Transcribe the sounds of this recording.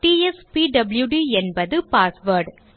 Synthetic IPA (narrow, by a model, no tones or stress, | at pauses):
ʈiːɛspiɖɐbɪljuɖiːɛnbɐðɯpaːsʋɐːɾɖ